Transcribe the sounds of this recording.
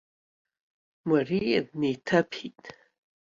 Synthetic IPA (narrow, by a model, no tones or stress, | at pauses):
mariadnejtʰapʰitʼ